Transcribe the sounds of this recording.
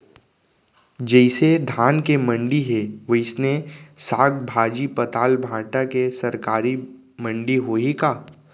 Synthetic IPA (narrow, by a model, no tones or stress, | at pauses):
d͡ʒɛɪsed̪ʱaːnkemɐ̃ɳɖiɦeʋəɪsnesaːkbʱaːd͡ʒipɐt̪aːlbʱãːʈakesɐɾkaːɾi | mɐ̃ɳɖiɦoːikaː